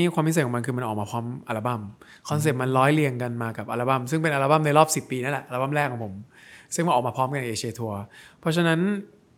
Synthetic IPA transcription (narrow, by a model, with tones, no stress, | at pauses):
i˦˥kʰwaː˧mi˦˥skʰːɔ˩˦m˧nkʰɯː˧ma˧ʔɔː˨˩k̚maː˧pʰɔː˦˥mʔaː˧la˧ba˥˩m | kʰɔ˧ns̬eː˨˩p̚ma˧nɾɔː˦˥jli˧əŋka˧nmaː˧ka˨˩p̚ʔaː˧laː˧ba˥˩msɯ˥˩ŋpe˧nʔaː˧la˧ba˥˩mna˧jɾɔː˥˩p̚si˨˩pːiː˧na˦˥nlɛ˨˩ʔaː˧la˧˩a˥˩mɾɛː˥˩kʰːɔ˨˩˦ŋpʰo˩˦msɯ˥˩ŋma˧nɔː˨˩maː˧pʰɔː˦˥mka˧na˧˩ʔeː˧t͡ɕʰi˧eː˧t̪ʰu˧ɐpʰɔ˦˥t͡ɕʰa˧na˦˥n